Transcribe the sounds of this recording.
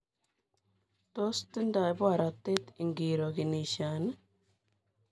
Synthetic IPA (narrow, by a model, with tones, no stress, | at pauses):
t̪o˦st̪ə˦nd̪a˨jbwa˨ɾa˨t̪ːe˦t̪i˨ŋɡi˨ɾo˨ki˨ni˨ʃa˨n